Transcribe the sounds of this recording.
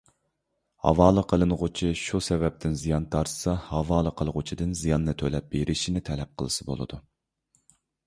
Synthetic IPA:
hɑ̰vɑːlˠəqʰəlˠɨnʁʊt͡ʃʰiʃusɛvɛp̚t̪ʰɪnzijɑnt̪ʰɑɾsɑhɑvɑːlˠəqʰəlˠʁʊt͡ʃʰid̪ɨnzijɑnːɨt̪ʰølɛp̚b̥eɾʔɪʃinɪt̪ʰɛlɛp̚qʰəlˠɨsɨbo̰lˠɨ̰d̪u

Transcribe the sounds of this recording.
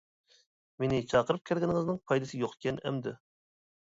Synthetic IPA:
menɪt͡ʃʰɑqəɾɨp̚kʲʰɛɾɡʲɪnɪŋɨznɨŋpʰɑjd̪ɨsɨjoqkʲʰɛnɛ̰md̪ɪ̰

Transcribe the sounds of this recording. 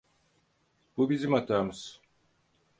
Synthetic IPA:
b̥ubizimat̪ʰaɾmɯz̥

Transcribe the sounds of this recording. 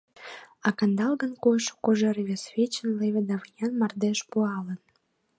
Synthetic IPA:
ɑkɑnd̪ɑlɣənkojʃo̥koʒeɾβʲesvʲet͡ɕənleβʲed̪ɑvjɑnmɑrd̪eʃpuɑlən

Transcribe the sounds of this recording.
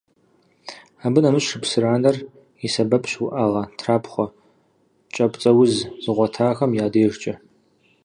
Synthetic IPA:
aːbɨnɐmɨɕrɨpsɨraːnɐr | isɐbɐpʼɕwʊʔaːʁɐtʰraːpχʷɔ | t͡ʃʼɐpʷʼt͡sʼɐwʊzz̥ɨʁʷɔtʰaːxɐmjaːdeːʒt͡ʃʼɐ

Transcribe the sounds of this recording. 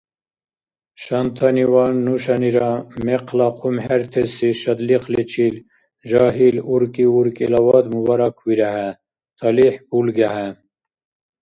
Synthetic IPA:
ʃɑnt̪ʰɑniwɑːnːuʃɑniɾɑmeqʰlɑqʰumheɾt̪ʰesiʃɐd̪liqlet͡ʃʰil | ʒɑːɦiluɾkiuɾkilɐwɑːd̪mubɑɾɑkʰwiɾaɦæ | t̪ʰɐliħpulɡæɦæ

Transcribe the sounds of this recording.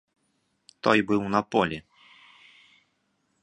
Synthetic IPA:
t̪ɔjbɨwnɐpɔlʲi

